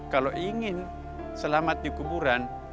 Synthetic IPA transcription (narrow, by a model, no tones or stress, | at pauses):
kaloʔiŋin | səlamat̪̚dikubuɾan